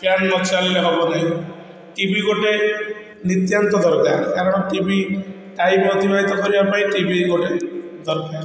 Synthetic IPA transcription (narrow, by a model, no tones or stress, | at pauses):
panɡɔt͡ʃalilakɔbɔd̪aj | ʈibiɡoʈe | nit̪jant̪ɔd̪ɔɾkaɾkaɾɔñʈibʱi | ʈajpɾɔt̪ibaɦit̪ɔkɔɾibapaĩʈibʱiɡoʈed̪ɔɾkaɾ